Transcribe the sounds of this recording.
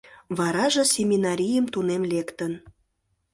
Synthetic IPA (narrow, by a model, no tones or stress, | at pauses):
βɑɾɑʒɤ̆sʲemʲinɑɾʲijəmt̪unemlekt̪ən